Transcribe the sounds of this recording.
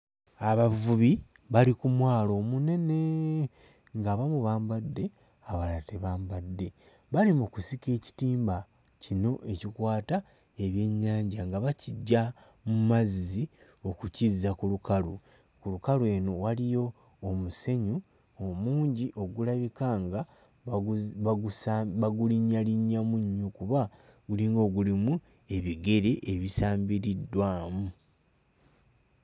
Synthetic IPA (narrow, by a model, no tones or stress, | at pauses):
aβavuβi | βalikumwaːlo̞mune̞ne̞ | ŋɡaβamuβaːmbadːe̞ | aβalateβaːmbadːe̞ | βalimukusike̞ːci̥tiːmba | cino̞ʔe̞cikwaːta | e̞βje̞ɲːaːɲɟaŋɡaβaciɟːa | mumazzi | o̞kucizakulukalu | kulukalwe̞ːnowalijo̞ː | muse̞ɲu | omuːɲɟiʔo̞ɡulaβikaŋɡa | aβaɡuliɲːaliɲːamuɲːukuβaɡuliːŋɡo̞ɡulimu | e̞βiɡe̞ɾe̞ʔeβisaːmbiɾidːwaːmu